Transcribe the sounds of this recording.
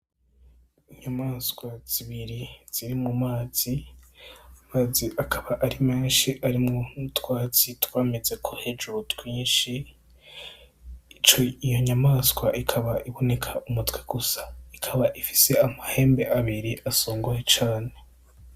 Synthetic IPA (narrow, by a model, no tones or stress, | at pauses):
iɲamaːskwaz̥iβiɾiz̥iɾimŋumaːz̥i | amaːziʔakʰaβaʔaɾime̞ːnʃiʔaɾimŋotwaːt͡sitwaːme̞ze̞kʰohe̞d͡ʒuɾotwiːnʃi | it͡ʃoijo̞ɲamaːskwaʔikʰaβaʔiβo̞ne̞kʰaʔumutweɡ̥usḁikʰaβaʔifi̥se̞amahe̞ːmbe̞ʔaβiɾiʔasoːŋɡojet͡ʃaːne̞